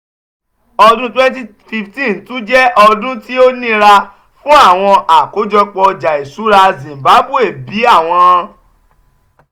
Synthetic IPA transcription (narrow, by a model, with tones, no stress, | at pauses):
ɔ˧dũ˦twɛ̃˦nti˦ | fi˧ftĩ˦˨n˨tũ˦d͡ʒɛ˦ʔɔ˧dũ˦ti˦o˦nĩ˦ɾa˧ | fũ˦a˦˨w̃ɔ̃˧ʔa˨ko˨˦d͡ʒɔ˧k͡pɔ˧d͡ʒa˨e˨su˨˦ɾa˧zĩ˨mba˨˦bu˦e˦˨bi˨˦a˦˨w̃ɔ̃˧